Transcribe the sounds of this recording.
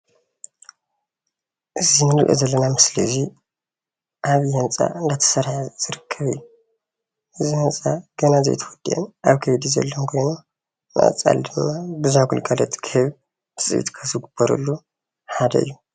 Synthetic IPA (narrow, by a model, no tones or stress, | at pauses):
ʔɨzinɨkʼḛzɐlːɐnamɨslḭzi | ʔaβjɐnt͡sʼa̰ʔɨnd̪at̪ʰɐ̥sɐɾħaz̥ɨɾɨkʰːɐβɨ̰jːu | ʔɨzihɨnt͡sʼaɡ̥ɐnazḛjt̪ʰɐwɔd̪̥iʔḛnʔaβkʰɐjd̪izɐ̰lːonkʰo̞jno | nʔɨ̰ʔɨ̰t͡sʼa̰ld̪ɨmːabɨzuhaɡulɡʼalɐt̪kʰɨhɨβ | bɨ̥sʼɨ̰βḭt̪kʰɐzɨɡub̥ɐɾɐ̰lːu | ħad̪ɐʔɨ̰jːu